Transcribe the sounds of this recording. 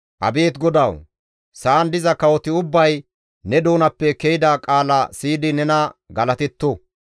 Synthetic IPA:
ʔɐ̰be̞ːt̪ɡɔd̪ɐw | saːnd̪ɪzɐkɐwɔt̪ɪʊbːɐj | nɛd̪oːnɐpːɛkɛjɪd̪aːkʼaːlɐsiːd̪ɪnɛnɐɡɐlɐt̪ɛt̪ːɔ

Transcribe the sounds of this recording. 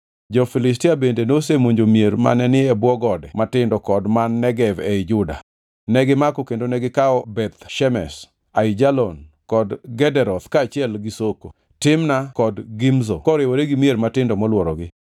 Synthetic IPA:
d͡ʒɔfilɪstɪabendenosemoɲd͡ʒomjeɾma̰nɛnɪɛbwɔɡɔdɛmatɪndɔkɔdmanːɛɡɛvɛɪd͡ʒʊda̰ | nɛɡɪmakokendonɛɡɪkaɔbɛt̪ʃɛmɛs | aɪd͡ʒalɔn | kɔdɡɛdɛɾɔt̪kaːt͡ʃɪɛlɡɪsoko̰ | tɪmnakɔdɡɪmzokɔɾɪwoɾeɡɪmjeɾmatɪndɔmɔlwɔɾɔɡɪ

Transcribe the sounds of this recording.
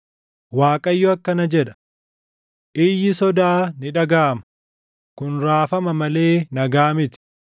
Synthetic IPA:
waːkʼɐjːɔɐkːɐnɐd͡ʒɛᶑɐ̥ | ʔɪjːɪsɔd̪aːnɪᶑɐɡaːmɐ | kʊnɾaːfɐmɐmɐle̞ːnɐɡaːmɪt̪ɪ̥

